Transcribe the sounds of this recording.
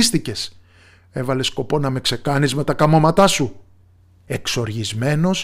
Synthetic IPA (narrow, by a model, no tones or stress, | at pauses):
st̪ice̞s | e̞vɐle̞sko̞po̞nɐme̞kse̞kɐnizme̞t̪ɐkɐmo̞mɐt̪ɐsu | e̞kso̞ɾʝizme̞no̞s